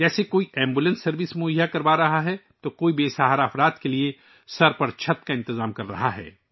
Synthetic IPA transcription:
d͡ʒɛːsekoːiɛ̃ːmbuːlə̃nsːɐɾʋɪsmoːijakɐɾbaːɾɐɦaɦɛ | t̪okoːibeːsaːɦaɾaːfɾaːd̪kelie | sɐɾpɐɾt͡ʃʰɐt̪kaɪ̃nt̪ɪzaːmkɐɾːɐ̰ɦaɦɛ̰ː

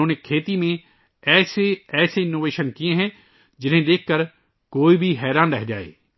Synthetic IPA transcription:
oːneːkʰeːt̪iːmẽː | ɛːseːɛːseːɪnːoːʋeːʃənkɪjẽːɦɛ̃ː | d͡ʒɪn̤ẽːd̪eːkʰkəɾ | koːiːbʱiːɦɛːɾãːnɾɛɦd͡ʒaːḛː

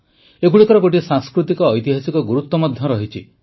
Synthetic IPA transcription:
ekuɽikɔɾɔɡoʈ̬isãŋskɾut̪ikɔːjt̪iɦasikɔɡuɾut̪wɔmɔd̪ʱjɔɾɔɦit͡ʃʰḭ

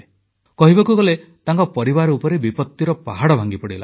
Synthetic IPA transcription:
kɔɦibakuɡɔlet̪aŋkɔpɔɾibaɾɔupɔɾebipɔt̪ːiɾɔpaɦaɽɔbʱaŋɡipɔɽila̰

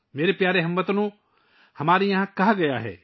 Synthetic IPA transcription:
meːɾepjaːɾeɦɐ̃mʋət̪nũ | hɐmaːɾijɐɦãkaɦɡɐjaɦɛ̰ː

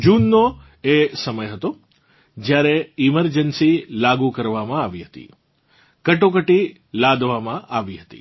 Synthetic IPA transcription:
d͡ʒunːo | esəməjɦət̪o | d͡ʒjaɾeɪməɾd͡ʒənsilaɡukəɾʋamãaʋiɦət̪ḭ | kəʈokəʈi | lad̪ʋamãʔaʋiɦət̪ḭ

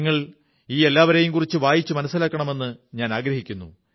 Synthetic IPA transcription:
ŋːɐɭ | iːe̞lːaːʋɐɾejumkurit͡ɕːɨʋaːjit͡ɕːɨmɐnɐsːilaːkːɐɳɐme̞nːɨɲaːnaːɡɾɐɦikʲːunːṵ

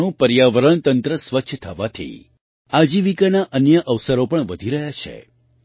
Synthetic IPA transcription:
ũpəɾjaʋəɾəɳt̪ənt̪ɾəsʋətːʃʰt̪ʰəʋat̪ʰḭ | ad͡ʒiʋikanaʔənjəʔəʋsəɾopəɳʋəd̪ʱiɾəɦjat͡ʃʰḛ

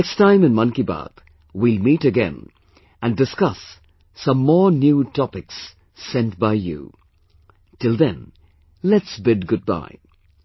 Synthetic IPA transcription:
ɛkstãɪ̃mɨ̃nmʌ̃nkiba̰t̪ | wilmiːtɨɡɛ̰̃n | æ̃ndɨskʌsː | ʌ̃mːɔːɹnjutʰɔpɪksː | ɛ̃nt̚baɪjṵ | tɪlˠðɨ̃n | lɛtsbɪd̚ɡʊd̚ba̰ɪ

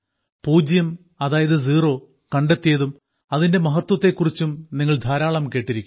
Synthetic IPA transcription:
puːd͡ʑjɐm | ɐðaːjɐðɨziːro̞ː | kɐɳɖet̪ːijɐðum | ɐðinde̞mɐɦɐt̪ːwɐt̪ːe̞kːurit͡ɕːumniŋːɐɭd̪ʱaːɾaːɭɐmke̞ːʈːiɾikʲːum

